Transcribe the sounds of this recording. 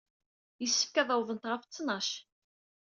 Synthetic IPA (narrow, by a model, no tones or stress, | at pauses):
jəsːə̥fkæðˤɑwðənt̪ʁəft͡sːnɑʃ